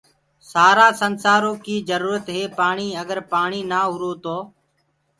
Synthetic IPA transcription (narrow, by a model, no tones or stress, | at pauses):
saːɾaːsənsaːɾoːkiːzəɾuːɾət̪ɦeːpaːɳiːəɡəɾpaːɳiːnaːɦʊɾoːt̪oː